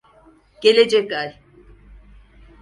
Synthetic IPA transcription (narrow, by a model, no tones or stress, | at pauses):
keled͡ʒekaj